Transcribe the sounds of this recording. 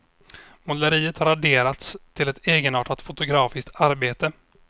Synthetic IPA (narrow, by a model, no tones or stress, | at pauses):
mʊlːəɾiːət̪haɾaɖeːɾat̪st̪ʰɪlɛt̪ʰeːɡənɑːʈat̪fʊt̪ʊɡɾɑːfɪsk̚t̪aɾbeːt̪ə